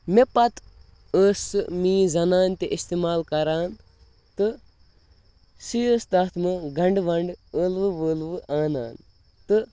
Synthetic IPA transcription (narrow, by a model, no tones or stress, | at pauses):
mepɐt̪ | əːsɨmiːzɐnaːnt̪eʔist̪eːmaːlkɐɾaːn | t̪ɨ | sijəːst̪ɐːt̪ʰmɨɡɐɳɖʋɐɳɖəːlʋɨʋəːlʋɨʔaːna̰ːn | t̪ɨ